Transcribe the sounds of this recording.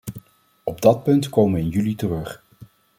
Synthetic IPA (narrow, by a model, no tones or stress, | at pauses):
ɔb̚dɑt̚pɵntkowmənɪnjylitərɵχ